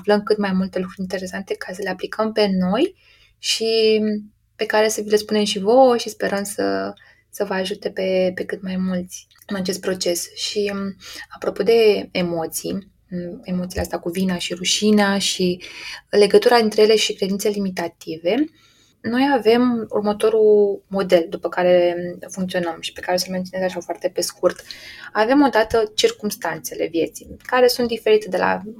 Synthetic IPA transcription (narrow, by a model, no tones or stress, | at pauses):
fləmkɨt̪majmult̪e̞lukɾuɾʲint̪e̞ɾe̞sant̪e̞kʰas̬əle̞aplikʰəmpe̞no̞j | ʃi | pe̞kaɾe̞səvilespune̞mʃivoʃispe̞ɾəmsə | səvəaʒut̪e̞pe̞pe̞kɨt̪majmult̪sʲ | ɨnat͡ʃe̞st̪pɾo̞t͡ʃe̞sʃiapɾo̞po̞d̪e̞emo̞t̪sḭj | e̞mo̞t̪sileast̪akuvinaʃiɾuʃinaʃile̞ɡət̪uɾaint̪ɾe̞jele̞ʃikɾed̪int̪se̞limit̪at̪ive̞ | no̞jave̞mṵrmət̪o̞ɾumo̞d̪e̞ld̪upəkaɾe̞fuŋkt̪sio̞nəmʃi̥pe̞kaɾeosəmenionezaʃafoart̪e̞pe̞skurt̪ave̞mo̞d̪at̪ət͡ʃirkumst̪ant̪se̞le̞̰vje̞t̪sijkaɾe̞sunt̪̚d̪ife̞ɾit̪e̞d̪e̞la̰